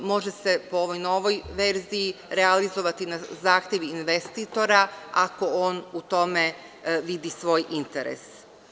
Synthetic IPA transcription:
mo̞ʒese̞pooʋo̞jno̞ʋo̞jʋe̞ɾzijiɾealizo̞ʋat̪inazaːxt̪je̞ʋiːnʋest̪iːt̪o̞ɾaako̞oːnut̪o̞me̞ | ʋid̪isʋo̞ːjʔint̪eɾḛs

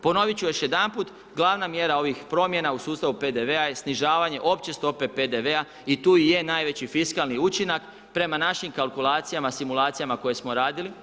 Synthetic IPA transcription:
po̞no̞ʋit͡ɕujoʃje̞d̪amput̪ | ɡlˠaʋnamje̞ɾao̞ʋixpɾo̞mje̞nausuːst̪aʋupe̞d̪e̞ʋe̞ajesniʒaːʋaɲe̞ʔo̞pt͡ɕe̞st̪o̞pe̞pe̞d̪eʋea | it̪uːije̞naːjʋe̞t͡ɕifiskalˠniut͡ʃinak | pɾe̞manaʃimkalˠkulˠaːt̪sijamasimulˠaːt̪sijamako̞je̞smo̞ɾaːd̪ili

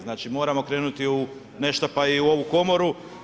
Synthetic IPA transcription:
naːt͡ʃimo̞ːɾamo̞kɾeːnut̪iu | ne̞ʃt̪apaiuo̞ʋuko̞mo̞ɾu

